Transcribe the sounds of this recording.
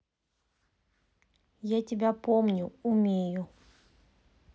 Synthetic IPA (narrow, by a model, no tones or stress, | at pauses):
jetʼibapʼomɲɔumiːjɔ